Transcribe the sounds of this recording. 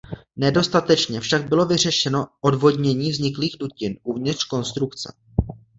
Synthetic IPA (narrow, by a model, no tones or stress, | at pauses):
nɛdo̞st̪at̪ɛt͡ʃɲɛfʃaɡ̚bɪlovɪr̝ɛʃɛno̞ʔo̞dvo̞dɲɛɲiːvzɲɪkliːɣducɪnʔuvɲɪt̪r̥ko̞nst̪ɾukt͡sɛ̰